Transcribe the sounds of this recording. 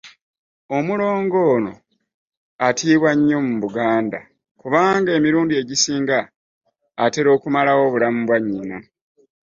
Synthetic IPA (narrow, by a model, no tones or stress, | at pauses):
o̞mulo̞ːŋɡo̞ːno̞̰ | atiːβwaɲːo̞muβuɡaːnda | kuβaːŋɡae̞miɾuːndie̞ɟisiːŋɡaː | te̞ɾo̞ːkumalawo̞ːβulamubwaɲːina